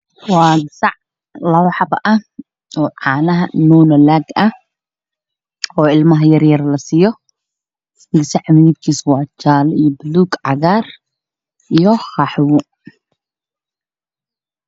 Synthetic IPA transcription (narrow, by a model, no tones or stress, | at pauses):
wɑːsɑʕ | lɐwħɑbɐʔɐ | ɔːʕɑːnɐɦɐnuːnɐlaːɡɐ | ɔːɪlmɐɦɐjɐrjɐrlɐsiːjɔ | ɪɡsɛʕamid̪kʰiːswɑːt͡ʃaːlijɔbluːɡʕɑɣaːr | ʔijɔχɑħwʊ